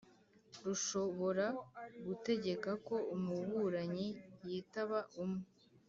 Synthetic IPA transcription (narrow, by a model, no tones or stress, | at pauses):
ɾuʃo̞βo̞ɾaɡute̞ɟe̞kako̞umuβuɾaɲijiːtaβaʔumŋe